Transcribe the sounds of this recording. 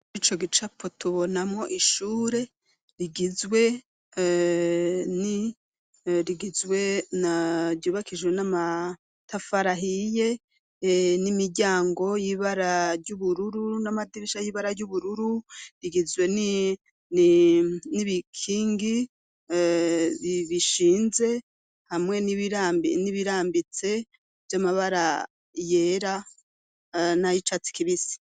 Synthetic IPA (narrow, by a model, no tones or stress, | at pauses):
uɾit͡ʃo̞ɡit͡ʃapʰo̞tuβo̞namŋo̞ʔiʃuːɾe̞ | ɾiɡizwe̞ | ni | ɾiɡizwe̞naɟuːβakʰid͡ʒwenama | tʰafaɾaɦije̞ | nimiɟaːŋɡo̞jiβaɾaɾɟuβuɾuɾunamadiɾiʃajiβaɾaɾjuβuɾuɾuɾiɡizwe̞n | n | niβikʰiːŋɡi | βiβiʃiːnze̞ | hamŋe̞niɾainiβiɾaːmbit͡se̞ | vjamaβaɾa | jeːɾa | najit͡ʃat͡si̥kiβisi̥